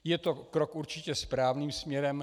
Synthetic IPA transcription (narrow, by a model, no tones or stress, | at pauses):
jɛt̪o̞kɾokuɾt͡ʃɪcɛspɾaːvniːmsmɲɛɾɛm